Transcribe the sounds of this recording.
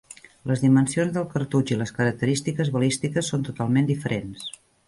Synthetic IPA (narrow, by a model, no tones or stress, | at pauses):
ləzðimənsionzðəlˠkəɾt̪ud͡ʒiləskəɾək̚t̪əɾist̪ikəzβəlist̪ikəsːont̪ut̪alˠmend̪ifəɾʔens